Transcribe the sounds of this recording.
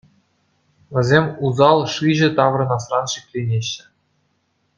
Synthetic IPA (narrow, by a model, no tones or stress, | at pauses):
ʋʲɘ̆zʲemʲuzɑlˠʂɯʑɘ̆t̪ɑʋrɤ̆nɑsrɑnʂikʲlʲenʲeɕːɘ̆